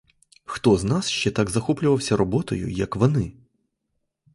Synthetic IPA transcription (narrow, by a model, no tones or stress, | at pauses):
xt̪ɔznasʃt͡ʃɛt̪aɡzɐxɔplʲʊʋɐwsʲɐɾɔbɔt̪ɔjʊ̰jɐkʋɔnɪ